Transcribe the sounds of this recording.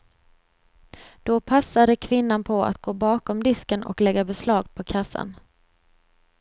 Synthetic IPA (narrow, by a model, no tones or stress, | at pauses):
d̪̥ɔpʰasːad̪əkʰvɪnːanpʰɔa̰t̪ɡ̥oːbɑːkɔmd̪ɪskənɔ̰klɛɡːabɛslɑːɡpʰɔkʰasːa̰n